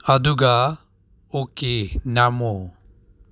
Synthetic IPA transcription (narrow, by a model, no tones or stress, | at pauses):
ad̪uɡa | okenamo